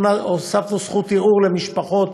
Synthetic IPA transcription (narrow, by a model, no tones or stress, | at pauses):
naosaftosχut̪jeʔuʁlemiʃpaχo̞t̪